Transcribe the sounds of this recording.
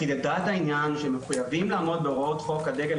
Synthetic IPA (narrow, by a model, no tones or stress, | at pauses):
ided̪at̪ainjanʃemeχujavimlaːmo̞d̪̚beoʁot̪χo̞kːad̪eɡe